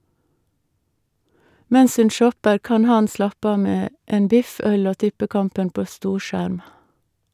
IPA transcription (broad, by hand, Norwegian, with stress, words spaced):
ˈmɛns ˈʉn ˈʃɔpəɾ ˈkɑn ˈhɑn ˈslɑpə ˈɑː ˈmeː ˈeːn ˈbɪf ˈœl ˈoː ˈtɪpəˌkɑmpən ˈpoː ˈstuːˌʃæɾm